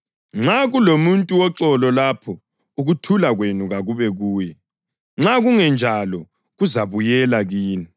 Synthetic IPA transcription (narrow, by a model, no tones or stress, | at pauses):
ŋ͡ǁaɣulomuntʼuwɔǁɔlɔlapʰɔ | uɣutʰulaɣwenuɣaɣuβɛɣuːjɛ | ŋ͡ǁaɣuŋɛnd͡ʒʱalɔ | ɣuzaβujɛlaɣiːni